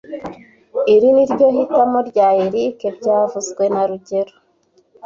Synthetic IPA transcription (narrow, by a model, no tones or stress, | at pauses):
iɾiniɾɟo̞hitamoɾɟaːjeɾikeɾɟaːvuzɡwe̞naɾuɟe̞ɾo